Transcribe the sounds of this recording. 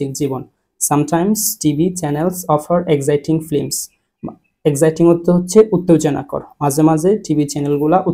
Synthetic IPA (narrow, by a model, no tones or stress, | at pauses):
iŋd͡ʑibon | samʈajmsʈibit͡ɕɛnelsɔfaɾekzajʈiŋflems | ekzajʈiŋɦot̪ʰːeɦotːɕʰeʔut̪ːod͡ʑona̰kɔ̰ɾmad͡ʑʱemad͡ʑʱeʈibit͡ɕɛnelɡulaʔu